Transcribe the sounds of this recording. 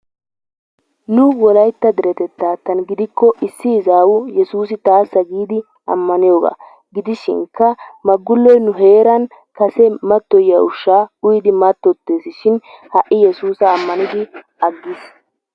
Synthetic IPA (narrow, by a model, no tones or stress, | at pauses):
nʊwɔlɐjt̪ːɐd̪ɛɾɛt̪ɛt̪ːaːt̪ɐnɡɪd̪ɪkːɔʔɪsːɪːzaːwʊjɛsuːs̬ɪt̪aːsːɐɡiːd̪ɪ | ɐ̰mːɐnɪjoːɡa̰ | ɡɪd̪ɪʃɪ̰ŋkːɐmɐɡːʊlːɔjnʊɦe̞ːɾɐn | kɐsɛmɐt̪ːɔjɐʊʃːaːʊjd̪ɪmɐt̪ːɔt̪ːe̞ːsɪʃɪnhɐʔːɪjɛsuːsɐːmːɐnɪd̪ɪ | ɐɡːɪs